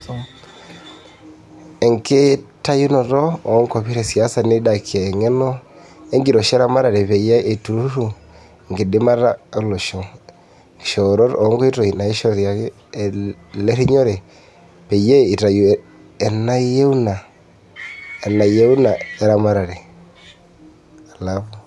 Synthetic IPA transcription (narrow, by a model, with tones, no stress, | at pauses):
ɛ˨ŋke˦ta˦ju˦nɔ˨ɾɔ˦ɔ˨˦ŋkɔ˨βi˦ɾɛ˨sja˦sa˨ne˦da˨kʰi˨a˨ɛ˨ŋɛ˦nɔ˦ɛ˦ŋɡi˨ɾɔ˨ʃɛ˦ɾa˦ma˦ɾa˨ɾɛ˨βɛ˨jɛ˦e˨tu˨ɾu˦ɾu˦ɾu˨ | ŋɡe˨dɪ˦ma˦ɾa˦ɔ˦lɔ˨ʃɔ˨ | ʃɔ˨ɾɔ˦ɾɔ˨˦ŋɡɔ˦i˦tɔ˨i˨na˨i˦ʃɔ˦ɾja˨˦ | lɛ˦ɾi˦ɲɔ˦ɾɛ˨ | pɛ˨jɛ˦i˨ta˨ju˨ | ɛ˨na˦jɛ˦u˦na˨ | ɛ˨na˨jɛ˦u˦na˨ɛ˦ɾa˨ma˦ɾa˨ɾɛ˨ | a˨la˦βu˦